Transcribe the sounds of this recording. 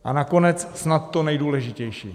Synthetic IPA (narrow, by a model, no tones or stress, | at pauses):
ʔanako̞nɛt͡ssnat̪ːonɛjduːlɛʒɪcɛjʃḭː